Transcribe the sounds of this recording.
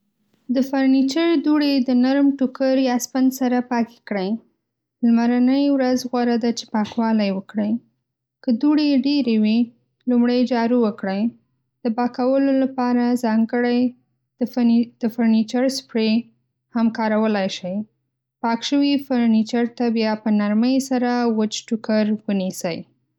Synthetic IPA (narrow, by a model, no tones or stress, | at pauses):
d̪əfaɾnit͡ʃəɾd̪uɽed̪ənaɾmʈukəɾjɑspand̪saɾapɑke̥kɽəj | lmaɾanəjwɾazɣwaɾad̪at͡ʃe̥pɑkwɑlajwəkɽəj | kəd̪uɽeɖeɾewi | lumɽajd͡ʒɑɾuwəkɽəj | d̪̥əbɑkawəlolapɑɾazɑŋɡəɽaj | d̪̥əfaɾnit͡ʃaɾspɽe | hamkɑɾawəlajʃəj | pɑkʃəwifaɾnit͡ʃaɾt̪abjɑpənaɾməjsaɾawət͡ʃʈukaɾwənisəj